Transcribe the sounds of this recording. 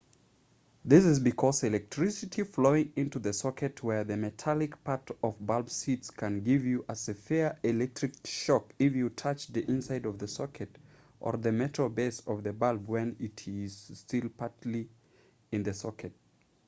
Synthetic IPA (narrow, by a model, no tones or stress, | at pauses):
ðɪsɨzbɨkʰɔzɨlɛk̚tʰɹ̥ɪsɨtifloʊɪ̃ŋɪ̃ntuðɨsɔkʰɨtwə˞ðɨmɨtʰælˠɪkpʰaɹɾʌvbalˠbsitskʰɨ̃nɡɪvjɨʔəz̥ɨfɛɹɪlɛk̚tɹ̥ɨkʃɔkɪfjɨtʰʌt͡ʃðiʔɪ̃nsaɪɾʌvðɨsɔkʰɨɾ | ʔə̰˞ðɨmɛɾbeɪsʌvðɨbalˠbwɨ̃nɪɾɪz̥stɪlˠpʰaɹtli | ɨ̃nðɨsɔkɨt̚